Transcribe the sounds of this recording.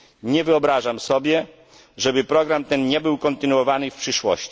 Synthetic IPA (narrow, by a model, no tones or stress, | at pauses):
ɲɛvɘɔbɾaʐamsɔbʲjɛ | ʐɛbɘpɾɔɡɾamt̪ɛnɲɛbɘwkɔnt̪ɘnuwɔvanɘfpʂɘʂwɔ̰ɕt͡ɕi